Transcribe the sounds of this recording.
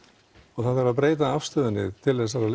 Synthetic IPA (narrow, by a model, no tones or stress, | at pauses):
ɔɣθaðθaɾvaðp̬ɾeːjt̪aafst̪œðʏnːɪ̰t̪ʰɪlɛs̬aɾal